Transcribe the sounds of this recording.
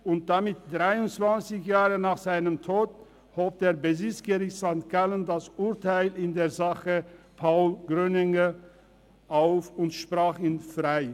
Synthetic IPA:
ʊnt̚d̥amɪt̚d̥ʁaɪʊnt͡sv̥ant͡sɪçjaːʁənaːχz̥aɪnəmtʰoːt | hoːp̚d̥eːɐbəzɪt͡sɡ̥əʁɪçtz̥aŋt̚ɡ̥aləndasʔʊɐtʰaɪlɪndeːɐzaχəpʰaʊlɡ̥ʁønɪŋə | ʔaʊfʊntʃpʁ̥aːχiːnfʁaɪ

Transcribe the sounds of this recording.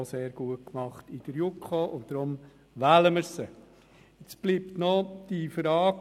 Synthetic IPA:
oseːɾɡ̥uət̚kmɑχtɪd̥əɾjukχoʔʊntd̪̥ɾʊm | ʋæːləməɾsə | ɪt͡sb̥liːptnɔd̥ifəɾɑː

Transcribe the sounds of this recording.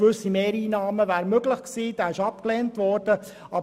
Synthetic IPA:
ʋʏsimeːɾiːnɑːməvæːɾmøɡlɪχksiːd̥æːɪʃɑpkleːntvɔɾd̥ə | ɑb

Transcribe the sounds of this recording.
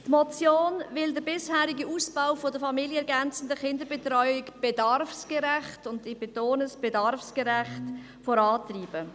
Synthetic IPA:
tmɔt͡sjoːnvɪldəbɪshæːɾiɡiuːsb̥awfodəfɑmiljəɛɾɡænt͡sn̩dəχɪndəbetɾɔʏɪkb̥edɑɾfsɡ̥ɛɾæχtʊndib̥etoːnəsb̥edɑɾfskəɾæχt | fɔɾɑːtriːb̥ə

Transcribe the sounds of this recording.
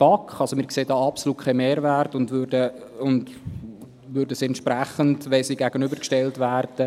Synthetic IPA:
pɑkχɑlsomɪːɾkseːdɑːɑpsoluːt̚kʰɛmeːɾværtʊndʋøɾdə | ʊnd | ʋʏɾdəsiɛntʃpɾæχəndʋɛlsiːɡæɡənʏbəɾkʃtɛltvæːrd̥ə

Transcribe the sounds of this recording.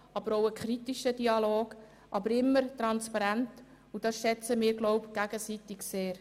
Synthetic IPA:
ʔɑbəɾowəkʰχɾitiʃədiɑloːɡ | ʔɑbəɾɪmːəɾt̪ɾɑnspɑɾænt | ud̥ɑsʃɛt͡səmɪːɾɡlɔʊpɡ̥æɡəsitɪɡseːɾ

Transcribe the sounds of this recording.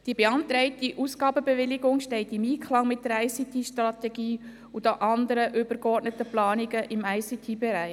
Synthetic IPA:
d̥ibeɑnt̪ɾɛɪtiʔusɡɑːbəbeʋɪlɪɡʊŋʃtɛɪtɪmiːkχlɑŋmɪt̚dəɾæɪsit̪ʰiʃtrɑt̪ɛɡiː | ud̪oʔɑnd̪əɾəʔʏb̥əɾɡɔrtnət̪əplɑːnɪɡəʔɪmæjsit̪ʰibeɾæɪ

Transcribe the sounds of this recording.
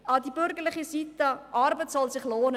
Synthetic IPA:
ɑdibɵrɡərləχəsitɐʔɐrbətsɐlsəχloːnə

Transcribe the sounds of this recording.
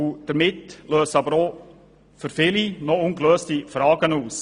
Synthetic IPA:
ʊd̥əɾmɪtløːsɑbəɾo | fʏɾfɪlinɔʊnɡløːstifɾɑːɡənuːs

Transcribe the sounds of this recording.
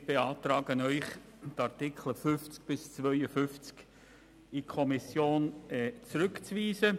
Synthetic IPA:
b̥eɑːt̪ɾɑːɡənœʏχ | tɑɾtɪkχləfʏft͡sk̚b̥ɪst͡svœʏəfʏft͡sk | ikʰɔmɪsjoːnɛt͡sɾʏkt͡sviːzə

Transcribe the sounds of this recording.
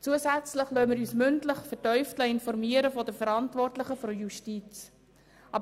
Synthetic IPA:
t͡suəsæt͡sləχlœməɾyːsmʏntləχfətœʏftləɪnfɔɾmiəɾəfɔdəfəɾɑntvɔrtlɪχəfɔjuʃtit͡s | ʔɑbə

